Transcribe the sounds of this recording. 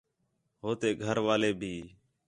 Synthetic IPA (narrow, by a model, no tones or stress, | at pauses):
ɦoːt̪eːɡʱəɾʋaːleːbʱiː